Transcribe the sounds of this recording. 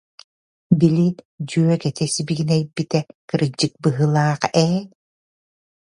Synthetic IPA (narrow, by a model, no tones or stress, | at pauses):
bilit̪ | d͡ʑyœkɛt̪ɛsibiɡinɛjbit̪ɛkɯɾɯd͡ʑːɯk̚bɯɦɯlˠaːqɛː